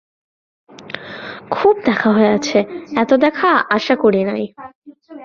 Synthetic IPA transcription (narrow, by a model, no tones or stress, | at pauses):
kʰub̚d̪ɛkʰaɦoeat͡ɕʰeɛt̪od̪ɛkʰaaʃakoɾinaj